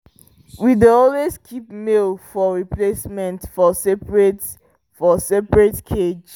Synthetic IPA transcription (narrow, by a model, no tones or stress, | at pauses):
wideɔlwezkʰipmelfɔɹiplesmɛ̃ntfɔsɛpɹet | fɔsɛpɹetkʰed͡ʒ